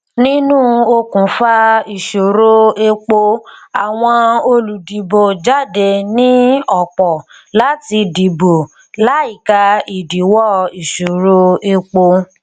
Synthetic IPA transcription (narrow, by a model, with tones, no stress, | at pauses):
nĩ˦nũː˦o˧kũ˨˦fa˦i˨ʃo˨ɾo˦e˧k͡po˧a˨w̃ɔ̃˧o˧lu˨di˨bo˨d͡ʒa˦˨de˧nĩ˦ɔ˦˨k͡pɔ˨ | la˨˦ti˧di˨bo˨ | la˨˦i˨ka˧i˨di˨˦wɔ˦˨i˨ʃo˨ɾo˦e˧k͡po˧